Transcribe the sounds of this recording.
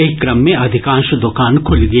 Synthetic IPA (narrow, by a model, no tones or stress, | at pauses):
ekːɾɐmːẽɐd̪ʱɪkãːʃd̪ʊkaːnkʰʊlɡi